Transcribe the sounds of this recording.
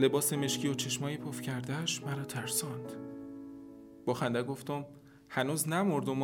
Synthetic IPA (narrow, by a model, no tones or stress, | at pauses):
le̞bɒːse̞me̞ʃkcʰiːot͡ʃʰe̞ʃmɒːjepʰofcʰæɾd̪æʃmæɾɒːt̪ʰæɾsɒnd̪̥ | b̥ɒːxænd̪æɡoft̪om | hænuːznæmoɾd̪om